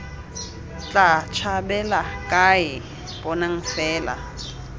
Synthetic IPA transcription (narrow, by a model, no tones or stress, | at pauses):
t͡ɬʼat͡ʃʰabɛlakʼajɪ | bɔnaŋ̩fɛːla̰